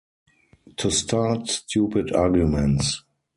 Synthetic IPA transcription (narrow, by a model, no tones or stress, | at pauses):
tʰustʰatstʰjuːpɪdaːɡjumɛ̃nts